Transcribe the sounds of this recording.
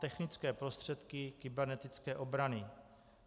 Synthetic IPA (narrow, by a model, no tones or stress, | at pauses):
t̪ɛxnɪt͡skɛːpɾo̞st̪r̝̥ɛt̪kɪkɪbɛɾnɛt̪ɪt͡skɛːʔo̞bɾanɪ